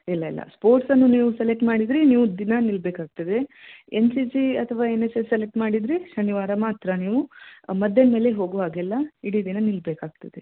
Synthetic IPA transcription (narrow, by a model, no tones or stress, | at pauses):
ilːɐilːɐ̰spoːɾʈsɐnːuniːʋuselek̚ʈmaːɽid̪ɾiniːʋud̪inɐnilbeːkaːɡ̚t̪ɐd̪e̞ensid͡ʒiɐt̪ʰɐʋaːenesesselek̚ʈmaːɽid̪ɾiʃɐniʋaːɾɐmaːt̪ɾɐniːʋumɐd̪ːɐnme̞ːleɦo̞ːɡuʋaːɡɛlːɐiɽid̪inɐnilbeːkaːɡ̚t̪ɐd̪e̞